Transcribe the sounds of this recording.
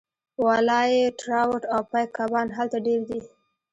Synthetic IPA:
wɑlɑjeʈɾɑwʊʈawpajkabɑnɦalt̪aɖeɾd̪i

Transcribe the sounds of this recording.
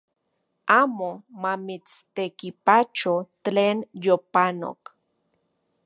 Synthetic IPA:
aːmomamit͡st̪ekipat͡ʃot̪leːnjopano̰k

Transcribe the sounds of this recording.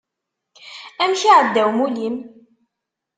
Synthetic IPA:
æmʃiʕəd̪ːæwmulim

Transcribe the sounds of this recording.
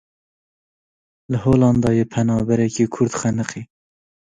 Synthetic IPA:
lɨhoːlɑnd̪ɑːjeːpʰɛnɑːbɛɾɛkiːkʰʊɾd̪xænɨqiː

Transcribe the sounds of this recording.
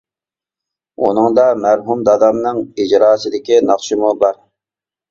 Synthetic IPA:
ṵnɨŋd̪ɑmæɾɦumd̪ɑd̪ɑmnɨŋid͡ʒɾɑːsɪd̪ɪkʲinɑχʃɪmubɑɾ

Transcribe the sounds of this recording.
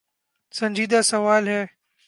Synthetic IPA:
sɐ̃ɲʲd͡ʒiːd̪asɐʋaːlɦɛː

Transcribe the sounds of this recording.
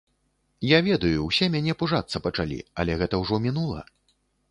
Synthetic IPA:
javʲɛd̪ɐjuwsʲɛmʲanʲɛpuʐat̪sːɐpɐt͡ʂalʲḭɐ̰lʲɛɣɛt̪ɐwʐɔmʲinulˠɐ̰

